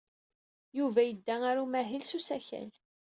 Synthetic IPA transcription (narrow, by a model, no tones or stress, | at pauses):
juvæjəd̪ːæaɾumæɦilsusæçæ̰l